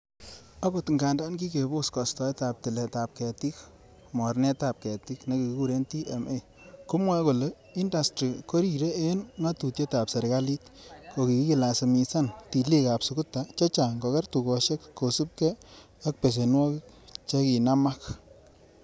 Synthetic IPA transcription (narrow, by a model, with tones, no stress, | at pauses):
a˦ko˨tŋɡa˨nda˦nki˦ke˨bo˦skɔ˨stɔ˨e˦ta˨p̚ti˨le˨ta˨p̚kɛ˨ti˦k | mɔ˨rne˦ta˨p̚kɛ˨ti˦kne˦ki˨ki˦ku˦ɾe˦nti˦ʔe˨me˦˨ | kʊ˦mwɛ˦ko˨le˨ | i˦nda˨stɾi˨ko˦ɾi˨ɾe˦e˦nŋa˦tu˨tje˦ta˨pse˨ɾka˦li˦tko˨ki˨ki˦ki˨la˨se˨mi˧sa˦nti˨li˦ka˨psu˨kʊ˦tːa˦t͡ʃɔ˦t͡ʃa˨ŋɡo˨kɛ˦rtu˨ko˨ʃe˦kko˨su˦p̚kɛ˦ | a˦k̚pe˨s̬e˨nwɔ˦ki˦k | t͡ʃe˦ki˨na˦ma˦k